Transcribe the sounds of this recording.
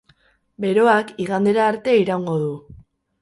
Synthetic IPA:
be̞ɾo̞akiɣand̪e̞ɾaːɾt̪e̞iɾawŋɡo̞ðu

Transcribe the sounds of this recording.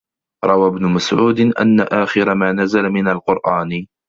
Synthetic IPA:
ɾˤɑwabnʊmasʕuːd̪ɪʔa̰nːa̰ʔaːxɪɾamaːnazalamɪnalqʊɾʔaːn

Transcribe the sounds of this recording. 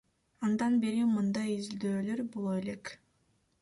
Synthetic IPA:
ɑnd̪ɑnbeɾimɯnd̪ɑjizild̪øːlø̞ɾbolˠoele̞k

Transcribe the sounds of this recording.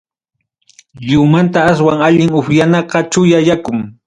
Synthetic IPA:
ʎʊmant̪aːs̬waŋaʎɪŋʊɸjanɑɢɑt͡ʃʊjajakʊŋ

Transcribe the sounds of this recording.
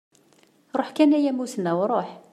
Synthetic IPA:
ɾˤoħkænæjæmusənːæwɾˤoħ

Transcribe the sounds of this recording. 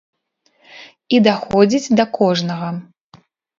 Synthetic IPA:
id̪axɔd͡zʲid͡zʲd̪ɐkɔʐnɐɣɐ

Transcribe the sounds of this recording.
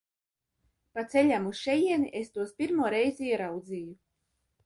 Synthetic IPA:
pat̪selʲamusʃɛjiɛniʔest̪uɔspʲiɾmuɔɾɛjziɛɾawd̪ziːju

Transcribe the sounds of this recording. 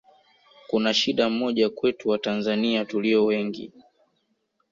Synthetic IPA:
kunaʃiɗam̩mɔʄakwɛtuwatanzaniatuliɔwɛŋɡḭ

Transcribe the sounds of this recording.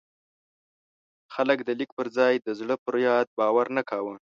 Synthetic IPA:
xaləkd̪əlikpəɾzɑjd̪əzɽəpəɾjɑd̪̚bɑwaɾnakɑwə

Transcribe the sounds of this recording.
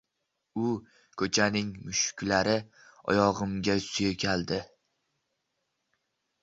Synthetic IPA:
ʊ | kʰɵt͡ʃʰanɪŋmʊʃkʲlaɾɪ | ɒ̰jɒʁɨmɡʲasʊjekʲʰald̪ɪ

